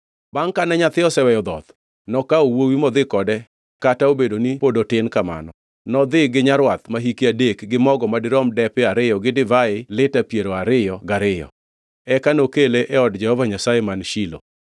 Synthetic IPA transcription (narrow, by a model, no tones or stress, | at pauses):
baŋkanɛɲat̪ɪɔsɛwɛjɔd̪ɔ̰t̪ | nɔkaowowimɔd̪ɪkɔdɛ | kataobedonipodotɪnkama̰nɔ | nɔd̪ɪɡɪɲaɾwat̪maɦikiadekɡɪmɔɡɔmadɪɾɔmdɛpɪaɾɪjɔɡɪdɪvaɪlɪtapjeɾoaɾɪjɔɡaɾɪjɔ̰ | ɛkanokeleʔɛɔdd͡ʒɛhɔvaɲasajemanʃilo̰